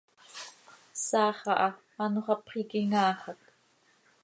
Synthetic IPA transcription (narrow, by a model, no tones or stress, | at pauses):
saːχɑʔɑ | anoʁɑpχikiŋaːχak